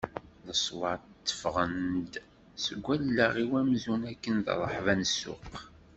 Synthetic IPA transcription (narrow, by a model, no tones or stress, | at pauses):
ðəsˤwɑʕt̪ːə̥fʁənd̪ | səɡʷːælːæʁiwæmzunækːənð̰rˤə̰ħvænəsːʊ̰q